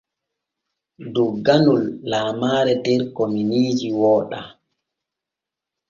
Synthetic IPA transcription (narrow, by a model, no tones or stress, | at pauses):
duɡːanulːaːmaːɾɛdɛɾkominiːd͡ʒiwɔːɗa